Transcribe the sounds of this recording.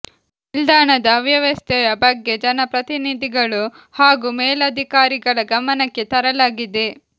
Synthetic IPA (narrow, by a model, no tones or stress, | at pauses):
ild̪aːɳɐd̪ɐːʋjɐʋɐst̪ʰɛjɐbɐɡːe̞d͡ʒɐnɐpɾɐt̪inid̪ʱiɡɐɭu | haːɡumeːlɐd̪ʱikaːɾiɡɐɭɐɡɐmɐnɐkːe̞t̪ɐɾɐlaːɡid̪e